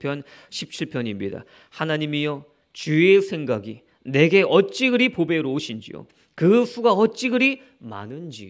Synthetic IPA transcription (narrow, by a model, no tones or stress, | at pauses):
pʰjʌn | ɕʰip̚t͡ɕʰiɭpʰjʌɲimɲida̰ | hanaɲimijo | t͡ɕuesʰe̞ŋɡaɡi | ne̞ɡe̞ʔʌt͡ɕ͈iɡɯɾipobe̞ɾoːɕʰind͡ʑḭjo̰ | kɯsʰuɡaʌt̚t͡ɕ͈iɡɯɾi | ma̰nɯnd͡ʑi